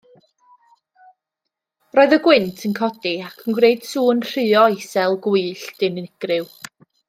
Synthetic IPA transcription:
rɔːɨðəɡwɪntʰənkʰɔdiakʰənɡwreɨd̥suːnr̥ɨːɔesɛlˠɡuɨɬd̥ɨnɪɡ̥rɪw

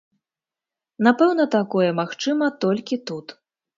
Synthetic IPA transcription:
napɛwnɐt̪akɔjɛmaxt͡ʂɨmɐt̪ɔlʲkʲit̪ut̪

